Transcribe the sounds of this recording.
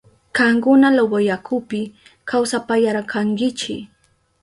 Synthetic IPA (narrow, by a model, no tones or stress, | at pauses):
kaŋkʊnalawajakʰʊpɪkʰawsapajaɾakʰaŋkɪt͡ʃɪ̰